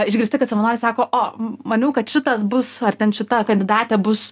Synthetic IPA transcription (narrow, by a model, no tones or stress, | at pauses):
ɪʒʲɡʲɾʲɪsʲt̪ʲɪkɐt̪sɐʋɐnoːɾʲɪsɑːkoːʔoːmɐnʲuːkɐt̪ʃʲɪt̪ɐsbʊsɐrt̪ʲɛnʃʲɪt̪ɐkɐnʲd̪ʲɪd̪ɑːt̪ʲɛbʊs